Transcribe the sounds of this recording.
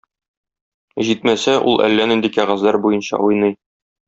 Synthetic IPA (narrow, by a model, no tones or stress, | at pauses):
ʑit̪mæsæʔṵlˠʔæ̰lːænind̪ikæʁɑzlæɾbujɤnɕɑ̰ʔujnɤj